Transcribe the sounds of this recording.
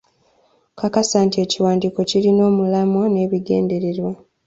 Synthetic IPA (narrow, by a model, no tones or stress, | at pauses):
kakasaːntie̞ːciwaːndiːko̞cilino̞ːmulamwone̞ːβiɡe̞̰ːnde̞ɾe̞ɾwa